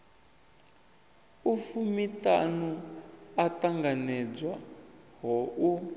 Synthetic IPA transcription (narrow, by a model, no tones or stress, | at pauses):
ufumitanuataŋɡanɛd͡zwa | ɦɔu